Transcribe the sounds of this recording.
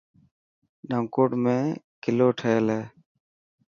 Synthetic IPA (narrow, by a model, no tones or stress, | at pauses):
ɖəŋkoːʈmẽː | kɪloːʈʰəeleː